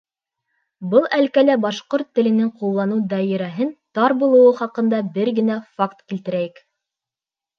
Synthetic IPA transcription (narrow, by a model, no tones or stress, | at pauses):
bɤlˠælkælæbɑʃqoɾt̪ːɘ̆lɘ̆nɘŋqulˠːɑnɤwd̪ɑjɘ̆ɾæɦɘnt̪ɑɾbulˠɤ̆wɤχɑqɤ̆nd̪ɑbɘɾɡɘ̆næfakt̪kilt̪ɘ̆ɾæjɘk